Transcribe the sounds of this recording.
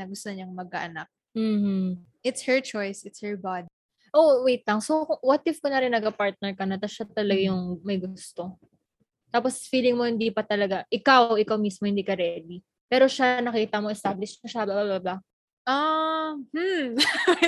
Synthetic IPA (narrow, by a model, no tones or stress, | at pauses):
ɐɡʊst̪oɲɐŋmɐɡ̚ɐʔɐnak̚m̩ːh̩ | ʔɪt̪shɛɹt͡ʃojsɪt̪shɛɹbad̪̚i | ʔowɛjt̪lɐŋsokʊwɐt̪ɪfkonɐɾɪnːɐɡɐpaɹt̪̚nɛɹkɐnɐt̪ɐʃat̪ɐlɐɡajʊŋmɐjɡʊst̪o̞ | t̪aːpo̞sfiːlɪŋmohɪnd̪ipɐt̪ɐlɐɡaʔɪkawʔɪkawmiːsmohɪnd̪ikɐɾɛd̪i | pɛːɾo̞ʃanɐkiːt̪ɐmoʔɛst̪aːblɪʃɐʃababababa | ʔahm̩